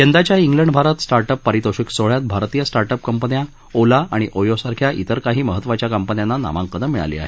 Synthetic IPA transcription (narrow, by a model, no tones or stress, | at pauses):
kend̪at͡ɕjaiŋɡləɳɖbʱaɾat̪sʈaɾʈəpːəɾit̪oɕiksoɭjat̪̚bʱaɾt̪iːjəsʈaɾʈəpkəmpənja | olaaɽ̃iʔojosaɾkʰjaʔit̪əɾkaɦiːməɦət̪ːʋat͡ɕjakəmpənjanːana̰ʋã̰ŋkəd̪əmiɭa̰lḭːa̰ɦe